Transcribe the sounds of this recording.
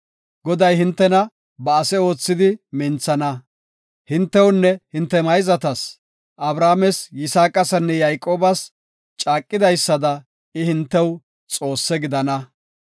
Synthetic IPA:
ɡɔd̪ɐjhɪnt̪ːɛnɐ | bɐːsɛo̞ːt͡sːɪd̪ɪmɪnt͡sːɐnɐ | hɪnt̪ːɛwnːɛhɪnt̪ːɛmɐjzɐt̪ɐs | ʔɐbɾaːmɛsjɪsaːkʼːɐsɐnːɛjajkʼo̞ːbɐs | t͡ʃʼaːkʼːɪd̪ɐjsːɐd̪ɐ | ɪhɪnt̪ːɛw | t͡sʼo̞ːsːɛɡɪd̪ɐnɐ

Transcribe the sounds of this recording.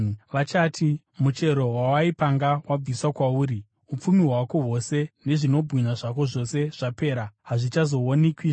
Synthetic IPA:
ʋat͡ʃaːtʰi | mut͡ʃe̞ɾo̞wawaipaŋɡawab͡viswakwauːɾi | up͡fumiɦwako̞ɦo̞se̞ne̞ʐino̞bʱɣinaʐako̞ʐo̞se̞ʐ̥ape̞ːɾaɦaʐit͡ʃazo̞onekwi

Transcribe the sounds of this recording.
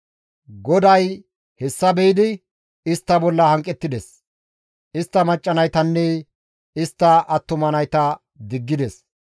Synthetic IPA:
ɡɔd̪ɐj | hɛsːɐbɛɪd̪ɪ | ɪst̪ːɐbɔlːɐhɐŋkʼːɛt̪ːɪd̪ɛs | ɪst̪ːɐmɐt͡ʃʼːɐnɐjt̪ɐnːɛ | ɪst̪ːɐʔɐt̪ːʊmɐnɐjt̪ɐ | d̪ɪɡːɪd̪ɛs

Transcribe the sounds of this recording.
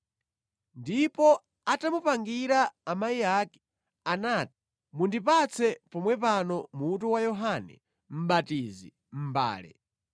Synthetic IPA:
ndipɔ | atamupaŋɡiɾaːmaiaːkɛ̥ | anaːti̥ | mundipat͡sʰɛpɔmwɛp̬anɔmuːt̬uwajɔɦanɛ̰ | m̩ɓatiːzi | m̩ba̰ːlɛ̰

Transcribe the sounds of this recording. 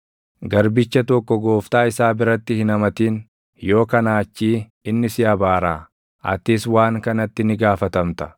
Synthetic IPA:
ɡɐɾbɪt͡ʃːɐt̪ɔkːɔɡo̞ːft̪aːɪsaːbɪɾɐt̪ːɪhɪnɐmɐt̪iːn | jo̞ːkɐnaːt͡ʃːiː | ɪnːɪsɪɐbaːɾaː | ʔɐ̰t̪ɪswaːŋkɐnɐt̪ːɪnɪɡaːfɐt̪ɐmt̪ɐ̥

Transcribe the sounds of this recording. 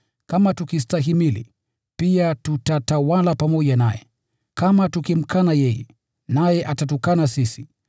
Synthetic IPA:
kamatukistaɦimilḭ | piatutatawalapamɔʄanajɛ | kamatukim̩kʰanajɛjɛ̰ | najɛʔatatukanasisi

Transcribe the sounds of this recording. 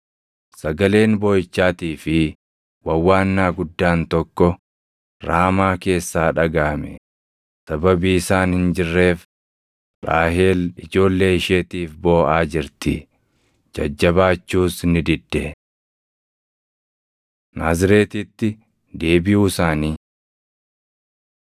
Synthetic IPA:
sɐɡɐle̞ːnboːjɪt͡ʃːaːt̪iːfɪ | wɐwːaːnːaːɡʊd̪ːaːnt̪ɔkːɔ | ɾaːmaːke̞ːsːaːᶑɐɡaːmɛ̰ | sɐbɐbiːɪsaːnhɪnd͡ʒɪrːe̞ːf | ɾaːɦeːlɪd͡ʒo̞ːlːe̞ːɪʃeːt̪iːfbo̞ːʔaːd͡ʒɪɾt̪ɪ | d͡ʒɐ̰d͡ʒːɐbaːt͡ʃːuːsnɪd̪ɪd̪ːɛ | naːzɪɾe̞ːt̪ɪt̪ːɪ | d̪e̞ːbɪuːsaːniː

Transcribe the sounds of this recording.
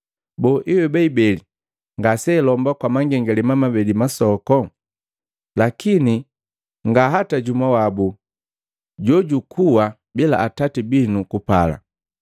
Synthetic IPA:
bɔʔiwɛbɛibɛli | ŋɡasɛlɔmbakwamaŋɡɛŋɡalɛmamabɛlimasɔkɔ | lakini | ŋɡaɦataɟumawabu | ɟɔɟukʰuwa | bila̰ʔːtatibinukupala̰

